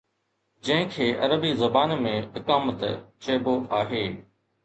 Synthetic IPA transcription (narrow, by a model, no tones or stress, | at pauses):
d͡ʑɐ̃ɦɪ̃kʰeːʔɐɾəbizɐbaːnmẽɦɪkaːmət̪t͡ɕɐːboʔaːɦeː